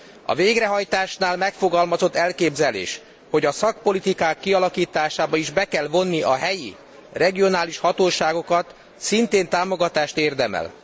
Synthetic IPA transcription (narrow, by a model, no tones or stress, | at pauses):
ɒ̰veːɡrɛɦɒjt̪aːʃnaːlmɛkfo̞ɡɒlmɒzo̞t̪ːɛlkeːbzɛlḛːʃ | ho̞ɟɒsɒk̚po̞lit̪ikaːkːiɒlɒkiːt̪aːʃaːbɒiʒbɛkɛlvo̞nːiʔɒɦɛjḭ | rɛɡio̞naːliʃhɒt̪oːʃaːɡo̞kɒt̪ | sint̪eːnt̪aːmo̞ɡɒt̪aːʃt̪eːrd̪ɛmɛ̰l